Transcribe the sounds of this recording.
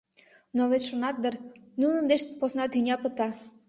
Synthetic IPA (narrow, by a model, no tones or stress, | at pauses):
noβet͡sʲʃonɑt̪̚d̪ərnunə̆nd̪eʃposnɑt̪ynʲɑpə̆t̪ɑ